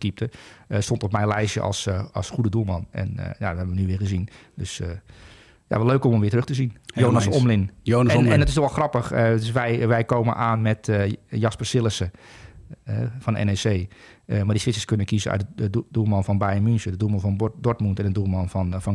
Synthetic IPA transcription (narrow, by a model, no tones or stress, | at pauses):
kip̚təəstontɔpmɛjnlɛjʃjə̰ʔɑ̰lˠsɑlˠsxudədulˠmɑnɛ̰n̰ja̰əɦɛbəʋənyʋɪːχəzindøsə | ja̰ʋɔløːkɔmɔmʋɪːtərøχtəzinjoːnasɔmlɪnjonnɛndɔtɪsdɔʋɔlˠxrɑpəxətsʋɛjʋɛjkoːmə̰nʔaːnmɛtəjɑspəsɪlˠəsə | ɛfɔndəʔɛ̰neseː | əmardisfɪt͡səskønənkizəœ̰dəd̥ulˠmɑnfɔnbajəmynsədədulˠmɑnfɔndɔɹtmuntɛndədumɑnfɔnfɔn